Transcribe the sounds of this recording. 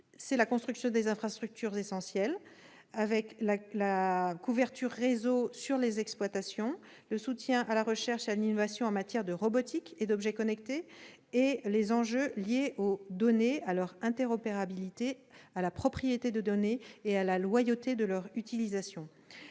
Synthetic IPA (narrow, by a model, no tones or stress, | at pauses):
sɛlakɔ̃st̪χyksjɔ̃d̪ezɛ̃fχast̪χyk̚t̪yʁzesɑ̃sjɛl | avɛklalakuvɛʁt̪yʁːezosyʁlezɛksplwat̪asjɔ̃ | ləsut̪jɛ̃ʔalaʁəʃɛʁʃealinɔvasjɔ̃ɑ̃mat̪jɛʁd̪əʁɔbɔt̪iked̪ɔbʒɛkɔnɛkt̪e | elezɑ̃ʒøljeʔod̪ɔnealœʁɛ̃t̪ɛʁɔpeʁabilit̪ealapχɔpχijet̪ed̪əd̪ɔneːalalwajot̪ed̪əlœʁyt̪ilizasjɔ̃